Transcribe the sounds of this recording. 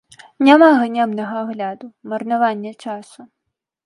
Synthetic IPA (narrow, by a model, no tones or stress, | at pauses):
nʲamaɣɐnʲɛmnɐɣɐːɣlʲad̪umɐrnavanʲːɐt͡ʂasu